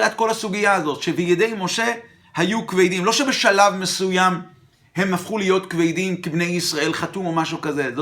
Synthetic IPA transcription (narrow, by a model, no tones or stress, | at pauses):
at̪̚ko̞lhasuɡijaːzo̞t̪ʃebijed̪e̞jmo̞ʃe̞ | hajukvejdimlo̞ʃe̞be̞ʃalavmesujam | hemafχulijo̞tkvejdimkibne̞jisʁae̞lχatumo̞maʃukaze̞z